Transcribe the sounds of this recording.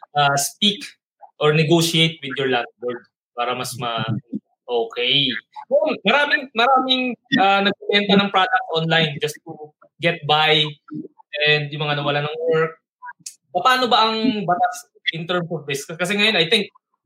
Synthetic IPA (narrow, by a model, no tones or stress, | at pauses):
ʔaspik | ʔɔɹnɛɡoʃiejt̪̚wɪd̪jɔɹland̪̚wɛɹd̪̚ | paːɾɐmɐsmɐ | ʔoːkɛjmɛonmɐɾaːmɪŋmɐɾaːmɪŋʔanɐɡ̚pɪwɛnt̪ɐnɐŋpɹad̪ɐk̚t̪ʔonlajnd͡ʒɐst̪u | ɡɛt̪̚bajʔɛnd̪jʊŋmɐŋanɐwɐlanɐŋwɛɹk̚ | pɐpaːnobaʔɐŋbɐt̪as | ʔɪnt̪ɛɹmsɔvd̪ɪskɐsɛŋɐjonɐjt̪ɪŋk̚